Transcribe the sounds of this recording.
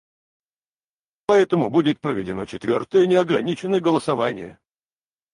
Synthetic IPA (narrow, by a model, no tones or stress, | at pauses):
pɐɛt̪əmʊbudʲɪt̪̚pɾəvʲɪdʲɪno̞̰t͡ɕɪt̪vʲo̞̰rt̪əjənʲɪɐɡɾɐnʲit͡ɕɪnːəjəɡəlˠəsɐvanʲɪ̰jə̰